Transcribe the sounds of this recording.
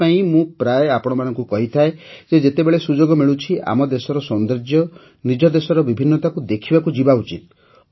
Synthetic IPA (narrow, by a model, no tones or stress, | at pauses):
aĩmũpɾaeapɔɽ̃ɔmanɔ̃ŋkukɔɦit̪ʰaed͡ʒed͡ʒet̪ebeɭesud͡ʒoɡɔmiɭut͡ʃʰia̰mɔd̪esɔɾɔsɔnd̪ɾed͡ʒjɔ | nid͡ʒɔd̪esɔɾɔbibʱinːɔt̪akud̪ekʰibakud͡ʒibaut͡ʃit̪̚